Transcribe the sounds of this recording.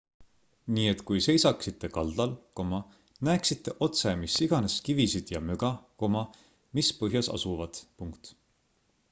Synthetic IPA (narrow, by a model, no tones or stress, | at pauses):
niːet̪ˑkujse̞jsɑksit̪ːˑe̞kɑld̪̥ɑlko̞mɑ | næeksit̪ːe̞ʔo̞t̪se̞misːiɡ̥ɑne̞skivisid̪̥jɑmyɡ̥ɑko̞mɑ | mispɤɦjɑsɑ̰suvɑd̪̥puŋkt̪